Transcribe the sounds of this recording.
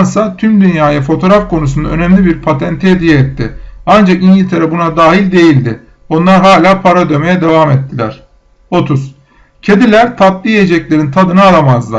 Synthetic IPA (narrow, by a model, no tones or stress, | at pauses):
ɾsat̪ʰymd̪ynjaːjafo̞t̪ʰo̞ɾafkʰo̞nus̬und̪a̰ø̞nɛmlʲibiɾpʰat̪ʰɛnt̪ʰied̪ijɛɛt̪ːɪ̰and͡ʒakiɲɟilʲt̪ʰe̞ɾɛbunad̪aːɦilʲd̪e̞jilʲd̪ɪ | o̞nlˠaɾɦaːlʲaːpʰaɾad̪ø̞me̞jɛd̪e̞vamɛt̪ːilʲæ̰ɾ̝̥ | o̞t̪ʰuz̥ | cʰe̞d̪ilʲæɾt̪ʰat̪lˠijed͡ʒɛclʲe̞ɾint̪ʰad̪ɯnɯalˠamazlˠa̰